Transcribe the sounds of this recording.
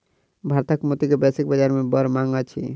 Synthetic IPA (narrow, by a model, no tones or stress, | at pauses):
bʱaɾt̪akmot̪ikebɛsik̚bad͡ʑaɾmebɔɾmaŋat͡ɕʰḭ